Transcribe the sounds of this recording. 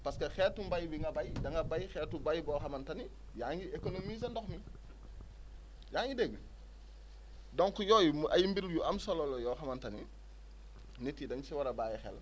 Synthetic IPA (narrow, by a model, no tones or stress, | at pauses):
pɐskɐxɛːrtumbɐjbiŋɡɐbɐjdɐŋɡɐbɐjxɛːrtubɐjbɔːxɐmɐntɐni | jaːŋjiekonomiːs̬ɐndɔxmi | jaːŋjideɡ | dɔŋkujɔːjɐjimbiɾujuɐmsɔlɔlɔjɔːxɐmɐntɐni | nitːidɐɲt͡ʃiwɐɾɐbaːjɛxɛ̰l